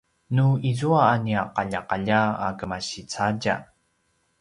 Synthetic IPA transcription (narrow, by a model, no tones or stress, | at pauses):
nuizuaːniaqaʎaqaʎaa̰kəmaɕit͡saɟa̰